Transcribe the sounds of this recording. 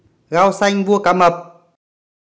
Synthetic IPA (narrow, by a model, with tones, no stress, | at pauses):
ɣa˧wsa˧jŋvu˧əka˨˦mə˨˩p̚